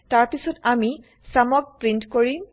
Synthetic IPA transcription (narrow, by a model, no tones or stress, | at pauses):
taɹpisɔtami | samɔɡ̚pɹintkoɹi